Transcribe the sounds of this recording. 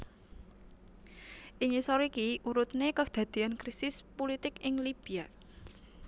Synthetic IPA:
ʔiŋisoɾikiʔuɾut̪nekəd̪̥ä̤d̪̥eankɾisɪspolit̪ɪkɪŋlib̥ia

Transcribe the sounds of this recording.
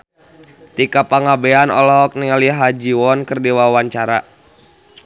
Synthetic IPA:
t̪ikapaŋabɛanɔ̰lɔk̚niŋaliɦad͡ʒiɔnkərdiwawaɲt͡ʃaɾa

